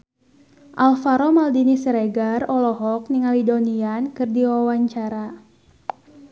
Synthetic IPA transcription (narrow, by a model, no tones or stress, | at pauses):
ʔalfaɾɔmaldinisɾeɡarɔlɔɦɔk̚niŋalidoniankɨrdiwawaɲt͡ʃaɾa